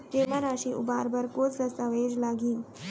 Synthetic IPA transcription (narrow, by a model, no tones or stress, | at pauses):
d͡ʑem̤aɾaɕiːʔṵbaɾbəɾkot͡sd̪əst̪əʋed͡ʑlaɡiːn